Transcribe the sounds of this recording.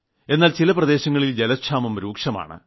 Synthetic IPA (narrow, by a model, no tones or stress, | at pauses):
e̞nːaːlt͡ɕilɐprɐd̪e̞ːɕɐŋːɐɭild͡ʑelɐkʂʰaːmɐmɾuːkʂɐma̰ːɳɨ̰